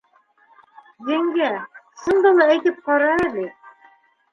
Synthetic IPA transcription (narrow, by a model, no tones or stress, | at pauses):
zɘ̆ŋɡæsɤ̆nd̪ɤ̆lˠɤæjt̪ɘp̚qɑɾɑælɘ